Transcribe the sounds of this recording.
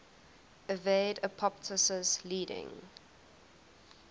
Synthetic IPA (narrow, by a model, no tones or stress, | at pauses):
əveɪdəpʰɔp̚tʰəsəsliːɾɪ̰̃ŋ